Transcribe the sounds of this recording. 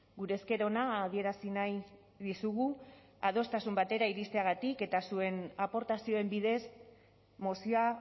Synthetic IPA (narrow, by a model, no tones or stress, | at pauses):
ɡuɾe̞ːske̞ɾo̞naːð̞ie̞ɾasinaj | ðisuɣu | að̞o̞st̪asumbat̪e̞ɾaiɾist̪e̞aɣ̞at̪ike̞t̪asue̞napo̞ɾt̪asio̞e̞mbiðe̞s | mosia